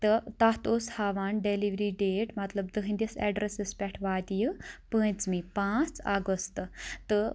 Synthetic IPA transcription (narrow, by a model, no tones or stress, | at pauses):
t̪ət̪aɦt̪oshaʋanɖeliʋɾiɖeʈmɐt̪ləbd̪əɦind̪ʲisɛɖɾesespʲɛʈʰʋad̪ijəpə̃jt͡smipãt͡sa̰ɡəst̪t̪ə